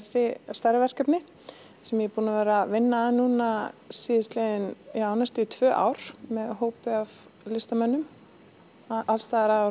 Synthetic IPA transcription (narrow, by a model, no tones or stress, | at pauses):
rɪst̪aɾɪvɛr̥kœpnɪ | sɛmjɛpuːnavɛːɾavɪnːaðnuːnasiːðɪst̪lɛjðɪniaːwnast̪ʏt̪ʰv̥œːʔa̰wɾ̥mɛðɦoːwpʏav | lɪst̪amœnːʏm | alst̪aɾa